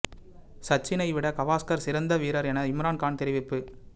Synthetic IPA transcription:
sɐt͡ʃːɪnɐɪʋɪɽɐkɐʋaːskɐɾsɪɾɐnd̪ɐʋiːɾɐɾɛnɐɪmɾaːnkaːɳt̪ɪɾɪʋɪpːɯ

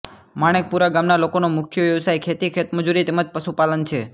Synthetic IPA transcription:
maɽ̃ek̚puɾaɡamnalokonomʊkʰjəʋjəʋsajkʰet̪ikʰet̪məd͡ʒuɾit̪eməd͡ʒpəʃupalənt͡ʃʰe

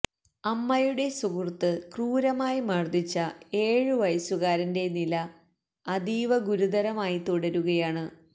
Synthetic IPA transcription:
ɐmːɐjuɽe̞suɡurt̪ɨkruːɾɐmaːjimɐrd̪it͡ɕːɐe̞ːɻɨʋɐjɐsuɣaːɾɐnde̞nilɐː | d̪iːʋɐɡuɾud̪ɐɾɐmaːjit̪uɽɐɾuɣɐjaːɳɨ

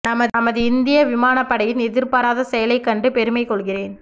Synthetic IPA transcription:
nɐmɐɐmɐðɯɪnd̪ɪjɐʋɪmaːnɐpːɐɽɐjɪnɛðɪɾpɐɾaːðɐsɛjɐlɐɪkːɐɳɖɯpɛɾɯmɐɪkɔɭɣɪreːn

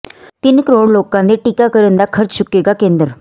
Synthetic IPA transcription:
t̪ɪnkəɾoːɽloːkãd̪eʈɪkakəɾə̃nd̪akʰəɾt͡ʃt͡ʃʊkːeɡakẽːnd̪əɾ

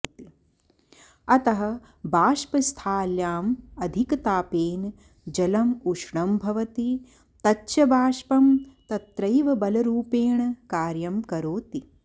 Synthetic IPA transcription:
i | ɐt̪ɐɦɐ̆ | baːʃpɐst̪ʰaːljaːmɐd̪ʱikɐt̪aːpeːn | d͡ʒɐlɐmuʂɳɐmbʱɐʋɐt̪i | t̪ɐtːʃɐbʱaːʃpɐmt̪ɐt̪ɾɐjʋɐbɐlɐɾuːpeːɳɐkaːɾjɐmkɐɾoːt̪i

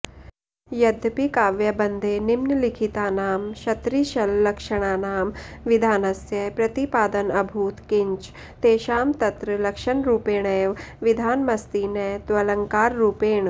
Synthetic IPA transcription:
jɐd̪ʱpikaːʋjɐbɐnd̪ʱeːnimnlikʰit̪aːnaːmʃɐt̪ɾiʃɐlːɐkʃɐɽ̃aːnaːmʋɪd̪ʱaːnɐsjɐpɾɐt̪ipaːd̪ɐnɐbʱuːt̪kɪɲt͡ʃ | t̪eːʃaːmt̪ɐt̪ɾəlɐkʃɐɳɾuːpeːɳeːʋʋid̪ʱaːnmɐst̪iːnɐːt̪ʋɐlɐŋkaːɾːuːpeːɳ

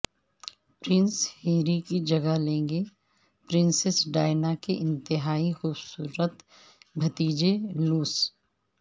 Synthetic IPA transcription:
pɾɪ̃nsheːɾikid͡ʒɐɡalẽːŋɡe | pɾɪ̃nsɪsɖaːɪnakeʔɪ̃nt̪ɪɦaːixuːbsuːɾət̪ | bʱɐt̪iːd͡ʒeluːs

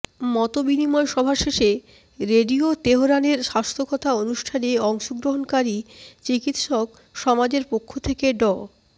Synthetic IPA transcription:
mɔt̪obinimɔeʃɔbʱaʃeʃe | ɾeɖiot̪eɦoɾaneɾʃast̪ʰokɔt̪ʰaonuʃʈʰaneɔŋʃoɡɾoɦonkaɾit͡ɕikit̪ʃɔk | ʃɔmad͡ʑeɾpokʰːot̪ʰekeɖɔ

